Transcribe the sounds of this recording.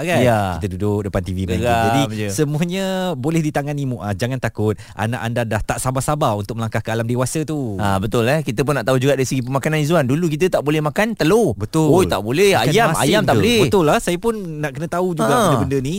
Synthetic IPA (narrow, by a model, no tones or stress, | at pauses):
aɡajaikt̪ədudʊk̚dəpant̪ivimɡad͡ʒadisəmuaɲə̃bolɛhdit̪aŋanimuʔad͡ʒaŋant̪akʊt̪̚a̰na̰ʔandadaht̪aʔsabasabaunt̪ʊk̚məlaŋkahkəalamdewasət̪uabət̪ʊlahkit̪əp̬ʊnːaʔt̪aud͡ʒuɡaʔdaɾisəɡip̬əmakananizuanduluk̬it̪̬ət̪aʔbolɛhmakant̪əlobət̪ʊot̪a̰ʔbolɛajama̰jamt̪aʔolɛbət̪ʊlːahsajapʊnːaʔkənə̃t̪aud͡ʒuɡabədəbəndəni